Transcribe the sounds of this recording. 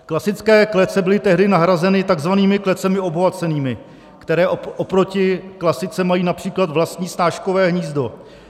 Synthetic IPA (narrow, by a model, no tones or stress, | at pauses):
klasɪt͡skɛːklɛt͡sɛbɪlɪt̪ɛɦdɪnaɦɾazɛnɪt̪aɡzvaniːmɪklɛt͡sɛmɪo̞bovat͡sɛniːmɪ | kt̪ɛɾɛːʔoʔopɾo̞cɪklasɪt͡sɛmajiːnapr̝̥iːklat̪vlast̪ɲiːst̪aːʃko̞vɛːɦɲiːzdo̞